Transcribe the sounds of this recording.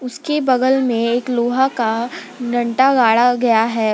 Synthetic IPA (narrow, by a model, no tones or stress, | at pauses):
ʊskebɐɡəlmẽeːkloːɦaka | ɡɐ̃ɳʈaɡaːɽaɡɐjaɦɛː